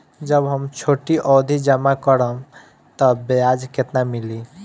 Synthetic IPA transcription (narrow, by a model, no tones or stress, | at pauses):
d͡ʒəbɦəmt͡ʃʰoʈiʔɔd̪ʱid͡ʒəmakəɾəm | t̪əbead͡ʒket̪namili